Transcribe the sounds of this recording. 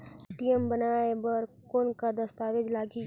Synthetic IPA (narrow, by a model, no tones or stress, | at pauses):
ʈijəmbɐnaːebɐɾ | koːnkad̪ɐst̪aːʋed͡ʒlaːɡi